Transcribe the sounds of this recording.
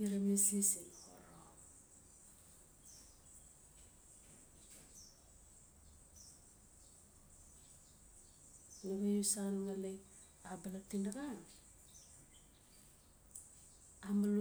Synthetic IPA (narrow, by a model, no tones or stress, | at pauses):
iɾamislisinho̰ɾo̰ | naɡajusanŋale | abalatindaɡan | ambal